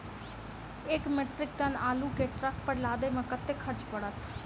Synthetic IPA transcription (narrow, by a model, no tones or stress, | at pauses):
ɪkmeːʈɾɪk̚d̪ənaːluːkeːʈɾəkpəɽlaːd̪eːmãkət̪ːeːkʰəɾt͡ʃpəɽət̪ʰ